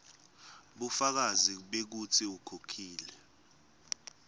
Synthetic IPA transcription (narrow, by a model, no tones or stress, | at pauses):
ɓufak̬aziɓek̬ut͡sʰiukʰokʰiːlɛ